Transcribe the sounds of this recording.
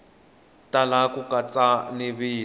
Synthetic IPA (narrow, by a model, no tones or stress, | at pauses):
talakukʼat͡sʼaniβiː